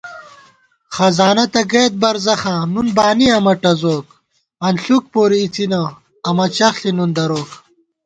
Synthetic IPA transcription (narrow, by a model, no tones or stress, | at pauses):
χɐzaːnɐt̪ɐɡeːt̪̚bɐɾzɐxãːnunbaːniɐmɐʈɐzoːk | ɐnɬuk̚poːɾiːt͡sinɐ | ɐmɐt͡ɕɐxɬinund̪ɐɾoːk